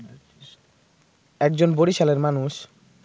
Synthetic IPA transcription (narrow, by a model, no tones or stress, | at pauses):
ɛkd͡ʑonboɾiʃaleɾmanuʃ